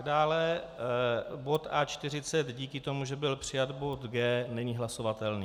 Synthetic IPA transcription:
daːlɛ | bo̞t̪ʔaːt͡ʃt̪ɪr̝ɪt͡sɛt̪ɟiːkɪt̪o̞muʒɛbɪlpr̥ɪjat̪bo̞t̪ɡɛːnɛɲiːɦlaso̞vat̪ɛlniː

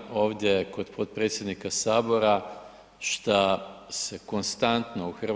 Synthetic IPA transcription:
o̞ːʋd̪ʲjeko̞d̪pʰot̪̚pɾe̞t̪sje̞d̪nikasaːbo̞ɾa | ʃt̪ase̞ko̞nst̪ant̪no̞uxr

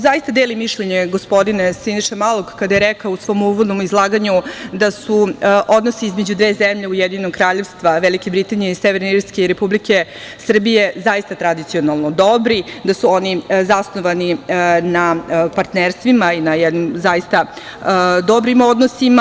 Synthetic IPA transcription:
zaist̪ad̪eːlimiʃʎeɲeɡo̞spo̞d̪inesiniʃemalˠokkːad̪ajeɾɛkaousʋo̞ːmuʋod̪nomizlˠaːɡaɲud̪asuʔo̞d̪nosiizme̞d͡ʑud̪ʋeːzemʎe̞ujed̪iɲenoɡ̚kɾaːʎe̞ʋst̪ʋaʋelikebɾit̪anijeiseʋeɾneiɾskeiɾepublike̞ | sr̩bije̞zaist̪at̪ɾad̪it̪sio̞nalˠnod̪o̞bɾid̪asuo̞nizasnoʋaninapaɾt̪neɾst̪ʋimainajɛd̪nimzaist̪a | d̪obɾimo̞d̪nosima

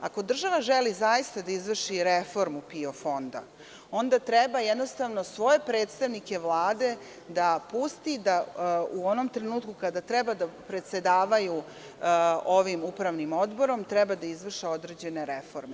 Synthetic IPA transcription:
a̰ko̞d̪r̩ʒaʋaʒelizajist̪ad̪aizʋr̩ʃiɾefo̞ɾmupio̞fo̞nd̪a̰ | o̞nd̪at̪ɾɛebajɛd̪no̞st̪aʋno̞sʋo̞e̞pɾeːt̪st̪aʋnike̞ʋlˠaːd̪e̞ | d̪apust̪id̪auono̞mt̪ɾenuːt̪kukad̪at̪ɾɛbad̪apɾe̞t̪se̞d̪aːʋaju | oʋimupɾaʋnimo̞d̪bo̞ɾo̞mt̪ɾɛbad̪aizʋr̩ʃeo̞d̪ɾe̞d͡ʑe̞ne̞ɾefo̞ɾme

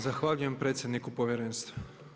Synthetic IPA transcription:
zaxʋaʎuje̞mpɾe̞ːt̪sʲjed̪nikupo̞ʋjeɾeːnst̪ʋo

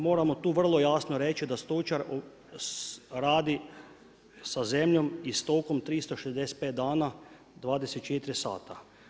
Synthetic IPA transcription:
mo̞ːɾamo̞t̪uːʋr̩lˠo̞jasno̞ɾet͡ʃid̪ast̪ot͡ʃaɾ | ɾaːd̪i | sazemʎo̞mist̪okomt̪ɾist̪oʃezd̪eset̪̚peːt̪̚d̪aːna | d̪ʋaːd̪eset̪̚t͡ʃet̪ɾisa̰ːt̪a

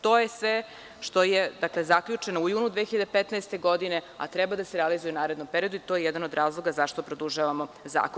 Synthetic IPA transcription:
t̪ojesʋe | ʃt̪o̞jed̪akle̞zakʎut͡ʂenoujuːnud̪ʋeːxiʎad̪epet̪naest̪e̞ɡod̪ine̞a̰t̪ɾɛbad̪aseɾɛalizujɛunaːɾe̞d̪nompeɾio̞d̪uit̪o̞jejɛd̪anod̪ɾʔaːzlˠo̞ɡazaʃt̪o̞pɾod̪uʒaʋamo̞za̰ːko

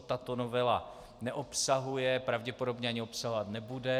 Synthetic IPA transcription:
t̪at̪o̞novɛla | nɛʔopsaɦujɛpɾavɟɛpo̞do̞bɲɛaɲɪo̞psaɦovat̪nɛbudɛ

